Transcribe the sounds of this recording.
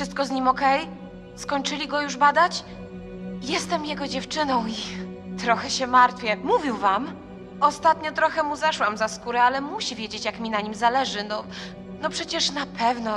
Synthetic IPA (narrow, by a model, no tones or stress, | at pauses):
fʂɨst̪̚kɔzɲimɔkɛj | skɔɲt͡ʂɘlʲiɡɔjuʐbad̪at͡ɕ | jɛst̪ɛmjɛɡɔd͡ʑɛft͡ʂɘnɔ̃w̃it̪ɾɔxɛɕɛmaɾt̪fʲjɛmuvʲiwvam | ɔst̪at̪ɲɔt̪ɾɔxɛmuzaʂwamzaskuɾɛalɛmuɕivʲjɛd͡ʑet͡ɕjakmʲinaɲimzalɛʐɘnɔ | nɔpʂɛt͡ɕɛʂnapʰɛvnɔ